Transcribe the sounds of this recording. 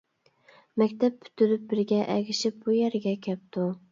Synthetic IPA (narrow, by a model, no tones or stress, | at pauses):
mækʲt̪ʰæp̚ːʰy̥t̪ʰɪɾɪp̚bɪɾɡʲɛʔæɡʲɪʃɪp̚bujæɾɡʲɛkʲʰɛp̚t̪ʊ